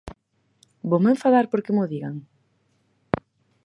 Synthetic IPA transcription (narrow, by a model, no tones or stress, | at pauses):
bomẽɱfaðaɾpoɾkemʊðiɣaŋ